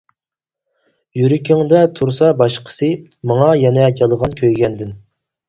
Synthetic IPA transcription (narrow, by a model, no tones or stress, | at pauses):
jyɾɪkʲʰɪŋd̪ɛt̪ʰuɾsɑbɑʃqʰə̥sɨ | mɑŋɑjɛnɛd͡ʒɑlˠəʁɑnkʲʰøjɡʲɛnd̪ɪn